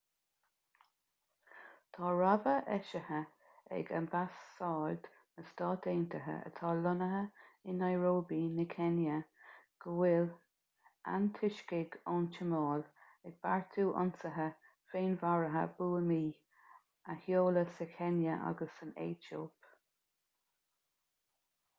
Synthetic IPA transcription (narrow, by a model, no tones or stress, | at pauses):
t̪ʰɑːɹɔvəʔɛʃəhə | ɛ̰ɡə̰nbasːɑːld̪ | nəst̪ɑːt̪eːnt̪ʰəɦə̰ə̰t̪ʰɑːlʊnəɦəɪnːajɹoːbinəkʰɛnjəɡ̥əwɪl | a̰nt̪ʰɪʃkɪɡoːnt͡ʃəmɑːl | ɛɡ̚b̥aɹt̪ʰuːʔʊ̰nsəɦə | feːnvaɹəɦə̰b̥uːəmiː | əhjoːləsəkʰɛnjəʔa̰ɡəsənḛːt͡ʃoːp